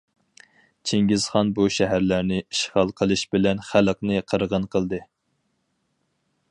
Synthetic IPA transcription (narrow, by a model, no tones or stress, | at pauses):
t͡ʃʰeŋɡʲiz̥χɑnbuʃɛɦæɾlæɾnɪiʃχɑlˠqʰəlˠɨʃbɪlɛnχæləqnɨqʰəɾʁənqʰəlˠd̪ɨ